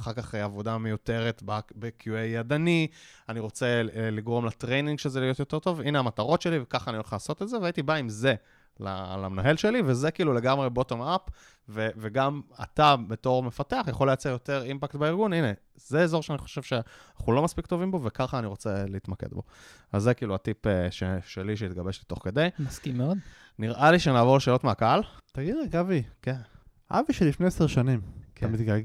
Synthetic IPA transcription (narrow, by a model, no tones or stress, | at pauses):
aχaʁkaχavod̪amejut̪e̞ʁet̪babekjuejad̪anianiʁo̞t͡se̞liɡʁo̞mlatʁejniŋɡʃezelijo̞t̪jote̞ʁt̪o̞vineamataʁo̞tʃe̞livekaχaːniolχalaːso̞telzeveait̪ibaimze̞ | la̰la̰mnoɦelʃe̞livezekiːlule̞ɡamʁebo̞t̪omap | veveɡama̰t̪abeto̞ʁme̞fateaχjaχolːejat͡seʁjot̪eʁimpaktbaiʁɡunine̞ | z̥eːzo̞ʁʃeaniχo̥ʃe̞vʃenaχulo̞maspikt̪o̞vimbo̞vekaχaːniʁo̞t͡seleitmakḛd̪bo̞̰ | azːekiːluatipeʃḛʃeliʃ̬eit̪ɡabeʃlit̪o̞χke̞dejmaskimːeod̪ | niʁʔaliʃenaːvo̞leʃeːlo̞t̪meakaalt̪aɡid̪ʁeɡaviken | ʔa̰viʃelifne̞jeseʁʃanimkamit̪ɡa